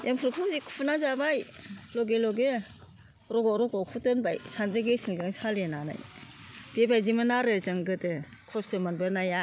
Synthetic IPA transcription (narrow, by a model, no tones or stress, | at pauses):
jʔeŋpʰuɾɯkʰuzikʰu̥pʰunazabajlɔɡelɔɡe | ɾɔɡɔɾɔɡɔkʰutɯnbajsanzɯɡesiŋzɯŋsʰalenana̰jb̥ebajzimɯnaɾɯzɯŋɡɯdɯkʰɔstɯmanbɯnaja